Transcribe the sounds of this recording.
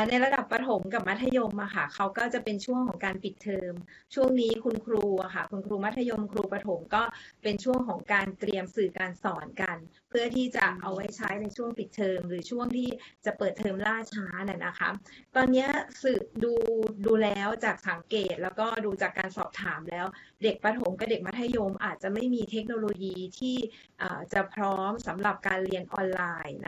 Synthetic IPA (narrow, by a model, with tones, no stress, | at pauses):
na˧jɾa˧da˨˩pːa˧t̪ʰo˩˦mka˨˩p̚ma˦˥t̪ʰːa˧jo˧mʔa˨˩xʰa˥˩kʰa˦˥wkɔː˥˩t͡ɕa˨˩pe˧nt͡ɕʰu˥˩əŋkʰɔː˩˦ŋkaː˧npi˨˩t̪ʰːɤː˧m | t͡ɕʰu˥˩əŋniː˦˥kʰu˧nkʰɾuː˧a˨˩kʰa˥˩kʰu˧nkʰɾuː˧ma˦˥t̪ʰːa˧jo˧mkʰɾuː˧pa˧t̪ʰo˩˦mkɔː˥˩pe˧nt͡ɕʰu˥˩əŋkʰɔː˩˦ŋkaː˧nt̪ɾi˧əmsɯː˨˩kaː˧nsɔː˨˩˦nka˧n | pʰɯ˥˩ət̪ʰiː˥˩t͡ɕa˨˩ʔa˧wa˦˥jt͡ɕʰa̰ː˦˥jna˧jt͡ɕʰu˥˩əŋpi˨˩t̪ʰːɤː˧mɾɯː˩˦t͡ɕʰu˥˩əŋt̪ʰiː˥˩t͡ɕa˨˩pɤː˨˩t̪ʰːɤː˧mlaː˥˩t͡ɕʰaː˦˥na˨˩nʔa˦˥kʰa̰˦˥t̪ɔː˧nːi˦˥ɐsɯ˨˩duː˧duː˧lɛː˦˥wt͡ɕaː˨˩k̚sa˨˩˦ŋkeː˨˩t̪̚lɛː˦˥wkɔː˥˩duː˧t͡ɕaː˨˩kːaː˧nsɔ̰ː˨˩p̚t̪ʰaː˩˦mlɛː˦˥wde˨˩k̚pa˧t̪ʰo˩˦mka˧˩de˨˩k̚ma˦˥t̪ʰːa˧jo˧mʔa̰ː˨˩t̪̚t͡ɕa˨˩ma˥˩jmiː˧t̪ʰe˦˥k̚noː˧loː˧jiː˧t̪ʰiː˥˩ | ʔə̰ː˨˩t͡ɕa˨˩pʰɾɔː˦˥msa˩˦mɾa˨˩p̚kaː˧nli˧ənʔɔː˧nlaː˧jn˦˥